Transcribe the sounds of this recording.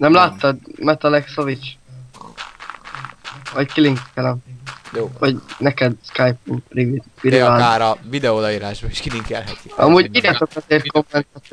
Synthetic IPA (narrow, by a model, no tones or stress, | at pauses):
nɛmlaːt̪ːɒd̪mɛt̪ɒlɛksovit͡ʃ | vɒckiliŋkɛlɛmovɒɟnɛkɛd̪skajpumrivit̪iɾɛaːaːɾɒvid̪ɛod̪ɒiːɾaːʒboiʃkiliŋkɛ̰lɦɛt̪iɒmuːɟidɛt̪okɛzeːrt̪̚ko̞mːɛnt̪at̪